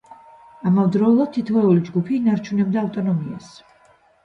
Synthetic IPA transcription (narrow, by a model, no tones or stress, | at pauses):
amɔvd̪ɾɔulˠad̪̚t̪ʰːit̪ʰvɛulid͡ʒɡupʰiːnaɾt͡ʃʰunɛb̚d̪aːft̪ʼɔnɔmias